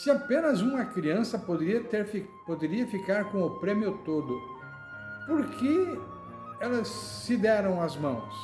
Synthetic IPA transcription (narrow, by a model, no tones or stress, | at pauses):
sɪapẽnɐzũmɐkɾiɐ̃sɐpod̪eɾiɐt̪eɾf | pod̪eɾiɐfikaɾkõw̃ʊpɾẽmjʊt̪od̪ʊ | poɾkʰɪ | ɛlɐsːɪd̪ɛɾɐ̃w̃ɐzmɐ̃w̃s